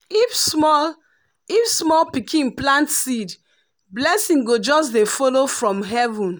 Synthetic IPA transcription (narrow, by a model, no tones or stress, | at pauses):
ifsmɔl | ifsmɔlpikʰĩnplãntsid | blɛsĩŋɡod͡ʒɔs̬defɔlofɹɔ̃mɦɛvũn